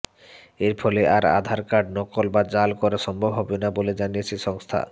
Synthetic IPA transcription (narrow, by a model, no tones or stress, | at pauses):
eɾpʰɔleaɾa̰d̪ʱaɾkaɖ̚nɔkolbad͡ʑalkoɾeʃɔmbʱobɦɔbenaboled͡ʑanijet͡ɕʰeʃɔŋst̪ʰa̰